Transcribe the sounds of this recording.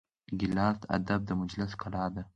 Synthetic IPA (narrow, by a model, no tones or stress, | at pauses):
ɡʲɪlalt̪ʰa̰d̪ab̚d̪amʊd͡ʒlasqʰɨlad̪ɪ